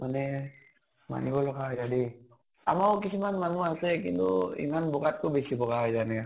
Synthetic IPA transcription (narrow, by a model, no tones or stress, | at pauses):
manɛ | ma̰nibɔlɔɡaɦɔjzadi | a̰mawkisumanmanuasɛk̬ḭntṵḭmanbɔɡat̚kobesibɔɡaɦɔjzanɛa